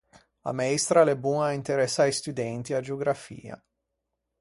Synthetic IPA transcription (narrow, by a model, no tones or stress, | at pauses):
a̰maest̪ɾalebunaint̪eɾɛsːajst̪ud̪ɛnt̪iad͡ʒeoɡɾafḭːa̰